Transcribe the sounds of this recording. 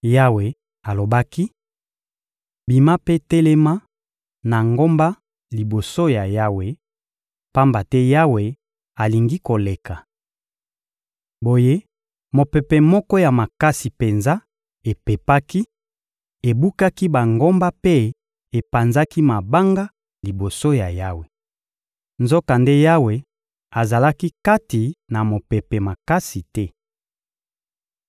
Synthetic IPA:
ja˦we˨ | a˨lo˨ba˦ki˦ | bi˨ma˦pe˦tɛ˦le˦ma˦ | na˨ŋɡo˦mba˦ | li˨bo˨so˦ja˨ja˦we˨ | pa˦mba˨tɛ˦ja˦we˨ | a˨li˨ŋɡi˦ko˨le˨ka˨ | bo˨je˦ | mo˨pɛ˨pɛ˨mɔ˦kɔ˦ja˨ma˨ka˦si˨pe˨nza˦ | e˨pe˨pa˦ki˦ | e˨bu˦ka˦ki˦ba˨ŋɡo˦mba˦pe˦ | e˨pa˨nza˦ki˦ma˨ba˦ŋɡa˦ | li˨bo˨so˦ja˨ja˦we˨ | nzo˦ka˨nde˦ja˦we˨ | a˨za˨la˦ki˦ka˦ti˨na˨mo˨pɛ˨pɛ˨ma˨ka˦si˨tɛ˦

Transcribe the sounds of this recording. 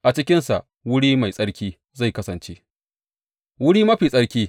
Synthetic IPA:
ʔa˨t͡ʃɪ˦kʲɪ˦nsa̰˨ʔ | wʊ˦ɽiː˦ma˨jsʼɐ˦ɽkʲiː˦ | za˦˨jkɐ˦sɐ˨nt͡ʃe˦ | wʊ˦ɽiː˦mɐ˦ɸiː˨sʼɐ˦ɽkʲiː˦

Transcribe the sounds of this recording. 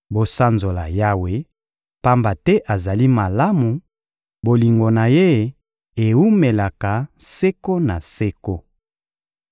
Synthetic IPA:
bo˨sa˦nzo˨la̰˨ja˦we˦ | pa˦mba˨tɛ˦ʔa˨za˨li˦ma˨la˦mu˨ | bo˨li˨ŋɡo˨na˨je˦˨ | e˨u˦me˨la˨ka˨se˦ko˦na˨se˦ko˦

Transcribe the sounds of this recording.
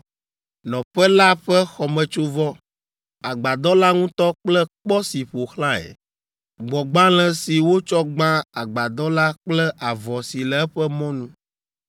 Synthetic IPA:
nɔ̃˨ɸɛ˦la˦ɸɛ˦xɔ˨mɛ̃˨t͡ʃo˦vɔ˦ | a˨ɡ͡ba˨d̪ɔ˦la˦ŋũ˦t̪ɔ˦k͡plɛ˦k͡pɔ˦si˨ɸo˨xlã˦ɛ̰˨ | ɡ͡bɔ˨ɡ͡bã˦l̃ɛ̃˨si˨wo˦t͡ʃɔ˦ɡ͡bã˦a˨ɡ͡ba˨d̪ɔ˦la˦k͡plɛ˦ʔa˨vɔ˨si˨lɛ˨ɛ˦ɸɛ˦mɔ̃˦nũ˦

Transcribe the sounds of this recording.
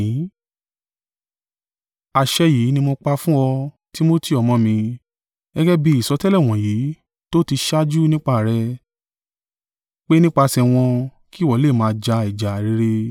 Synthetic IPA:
a˨ʃɛ˧jiː˨˦nĩ˧mo˧k͡pa˧fũ˦ɔ˧ | ti˦mo˦ti˦˨ɔ˨mɔ̃˧mĩ˧ | ɡɛ˦ɡɛ˦bi˦i˦˨sɔ˨˧˦tɛ˦lɛ˦˨w̃ɔ̃˨jiː˨˦ | to˦ti˧ʃa˦d͡ʒu˦nĩ˦k͡pa˧˨ɾɛ˧ | k͡pe˦nĩ˦k͡pa˧sɛ˧w̃ɔ̃˧ | ki˦˨wɔ˨˦le˦˨mãː˨˧d͡ʒa˧i˨d͡ʒa˨ɾi˨˦ɾe˧

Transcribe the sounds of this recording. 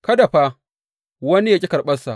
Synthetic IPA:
kɐ˦da˨ɸaː˦ | wɐ˦ni˦ja˦kʲʼi˦kɐ˨rɓɐ˦sa˨ʔ

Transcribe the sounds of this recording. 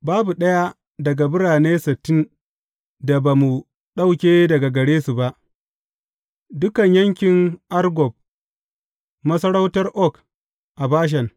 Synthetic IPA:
baː˦bu˨ɗɐ˦ja˦ | dɐ˨ɡa˨bʊ˦ɽaː˨neː˦sɪ˨tːɪ˦n | da˨ba˨mu˨ | ɗa˦wkʲeː˦dɐ˨ɡa˨ɡɐ˨ɽeː˦su˨ba˦ʔ | dʊ˦kɐ˨ɲjɐ˦ŋkʲɪ˨ŋʔa˦rɡɔ˨b̚ | mɐ˦sɐ˦ɽɐ˦wtɐ˦rʔɔ˦˨k | ʔa˨baː˦ʃ̬ɛ˨ŋ

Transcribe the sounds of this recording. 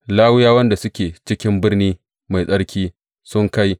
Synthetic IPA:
laː˦wʊ˦jaː˦wɐ˦nda˨sʊ˦kʲeː˨t͡ʃɪ˦kʲɪ˦mbɪ˦rniː˦ | ma˨jsʼɐ˦ɽkʲiː˦ | sʊ˦ŋka˦j

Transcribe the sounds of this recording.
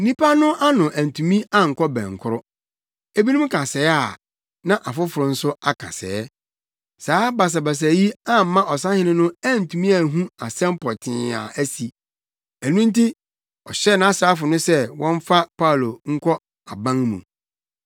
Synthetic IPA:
n̩˦nĩ˦pʰa˦nʊ̃˦ʔa˦nʊ̃˨ʔæ˨n˨tʰũ˨mĩ˦a˦ŋ̩˨kʰɔ˦bɛ̰̃˨ŋ̩˨kʰʊ˦ɾʊ˦ | e˦bi˦nũ˦m˦kʰa˨sɛ˨˦a˦˨ | nã˦ʔa˨fʊ˦fʊ˨ɾʊ˨n̩˦sʊ˦a˨kʰa̰˨sɛ̰˨ɛ˦ | saː˨˦ba˨s̬a˨ba˨s̬æ˨ji˦a˦m̩˨˦mã˦ʔɔ˨s̬ã˦hɪ̃˦nɪ̃˦nʊ̃˦æ˦˨n̩˨tʰũ˨mĩ˦a˨ɦũ˦a̰˨sɛ̃˦m˦pʰɔ˨tʰɪ̃˨a̰˨ʔæ˦si˨ | æ˨nũ˦n˦ti˦ | ɔ˨ɕɛ˦nã˦a˦saː˦fʊ˨nʊ̃˦sɛ˦wɔ̃˦ɱ˦fa˦pʰa˦˨lo˨ŋ̩˦kʰɔ˦ | a˨bã˦ŋmṵ̃˨

